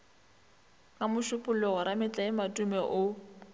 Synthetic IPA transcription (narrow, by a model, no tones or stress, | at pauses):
kʼamʊʃʊpʼʊlɛɣɔɾamɪt͡ɬʼaɪmatʼumɛʔʊ